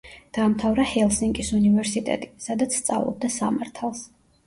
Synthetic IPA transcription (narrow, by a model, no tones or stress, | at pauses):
d̪̥aːmt̪ʰavɾahɛlˠsiŋkʼisunivɛɾsit̪ʼɛ̰t̪ʼi̥sad̪at̪sʰst̪sʼa̰vlˠɔ̰b̚d̪asamaɾt̪ʰalˠs